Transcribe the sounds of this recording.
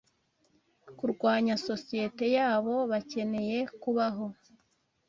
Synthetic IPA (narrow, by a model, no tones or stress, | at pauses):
kuɾɡwaːɲaso̞sije̞te̞jaːβo̞βace̞ne̞je̞kuβaɦo̞